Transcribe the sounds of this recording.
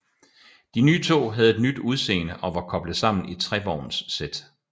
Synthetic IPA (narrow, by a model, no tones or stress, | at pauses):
d̥inyːt͡sʰo̝̰ːɦæð̞̩ˠe̝d̥nyd̥uð̞ˠse̝̰ːnəʔɒ̽ʋɑ̈kʰɒ̽b̥lð̩ˠsɑ̈m̰n̩it͡sʰʁɛb̥ɒ̰ːnsːed̥